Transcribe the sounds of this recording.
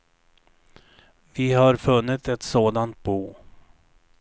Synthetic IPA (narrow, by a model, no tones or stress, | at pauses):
vɪhaɾfɵnːɪt̪ɛt̪soːd̪ant̪̚buː